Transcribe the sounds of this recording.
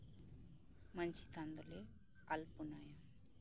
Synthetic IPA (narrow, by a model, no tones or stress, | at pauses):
mɐnt͡ʃi̥t̪ɐnd̪ule | ɐlpunaja